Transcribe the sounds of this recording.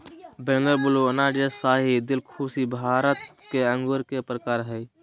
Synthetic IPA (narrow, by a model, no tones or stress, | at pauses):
bẽːŋɡəɾbʊloənaːɖesaːɦid̪ɪlkʰuːsibʱaːɾət̪keə̃ŋɡʊɾkepɾəkaːɾɦɛj